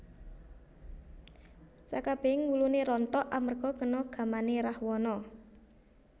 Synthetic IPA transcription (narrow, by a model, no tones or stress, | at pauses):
sa̰kab̥e̤ŋwuluneɾɔnt̪ɔʔamərɡ̥ɔ̤ɡənɔɡ̥a̤maneɾahwɔnɔ